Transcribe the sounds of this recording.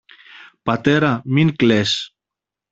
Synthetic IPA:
pɐt̪eɾɐminkles

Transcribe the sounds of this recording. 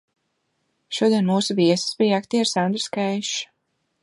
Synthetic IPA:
ʃuɔd̪iɛnmuːsuviɛsɨ̥sbijakt̪iːaɾsand̪ɾɨ̥skajʃ

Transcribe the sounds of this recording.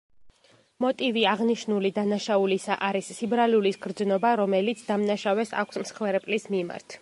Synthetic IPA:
mɔt̪ʼiviaʁniʃnulid̪anaʃaulisaʔaɾisːibɾalulisɡɾd̪znɔbaɾɔmɛlit̪sʰd̪amnaʃavɛsa̰kʷʰsmsχwɛɾɛpʼlismima̰ɾt̪ʰ

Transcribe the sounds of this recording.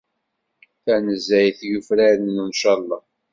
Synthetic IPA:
θænəzæjθʝəfɾæɾnnunʃɑlˤːɑ

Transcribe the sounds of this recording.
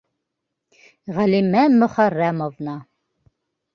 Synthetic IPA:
ʁælimæmɵ̆χæɾːæmovnɑ

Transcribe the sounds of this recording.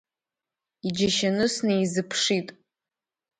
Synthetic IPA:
id͡ʒaʃanɨsnejzɨpʰʂitʼ

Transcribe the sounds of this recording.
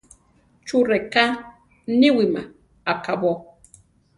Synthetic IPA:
t͡ʃuɾeka | niwima | akabo

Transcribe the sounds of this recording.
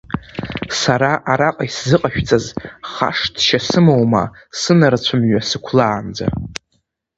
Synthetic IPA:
saɾaʔaɾaqʼajszɨqʼaʃᶣt͡sʼazχa̰ʂdʃasɨmowma̰ | sɨnaɾat͡ɕʷʰʊmɥasɨkʷʰlaːnd͡za̰

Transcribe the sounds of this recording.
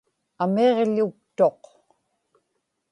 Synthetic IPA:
ameʁʎuk̚t̪o̞q

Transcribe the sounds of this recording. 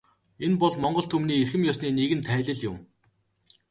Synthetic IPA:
enpɔɮmɔɴɢɞ̆ɬt̪ʰɵmniːerxɘ̆mjɔsniːneɣɘ̆nt̪ʰæːɮɘ̆ɮjʊm

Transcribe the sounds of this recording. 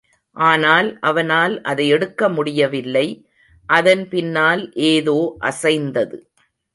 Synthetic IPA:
ʔaːnaːlʔɐʋɐnaːlʔɐðɐɪɛɽɯkːɐmʊɽɪjɐʋɪlːɐɪ | ʔɐðɐnpɪnːaːlʔeːðoːʔɐsɐɪnd̪ɐðɯ

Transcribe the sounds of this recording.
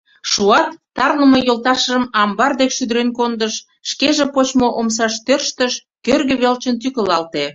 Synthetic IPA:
ʃuɑt̪ːɑrləmojolt̪ɑʃʒəmɑmbɑrd̪ekʃyd̪əɾenkond̪əʃː | keʒepot͡ɕmoʔoms̬ɑʃt̪ørʃt̪əʃ | kørɣĕβelt͡ɕənt̪ykəlɑlt̪e

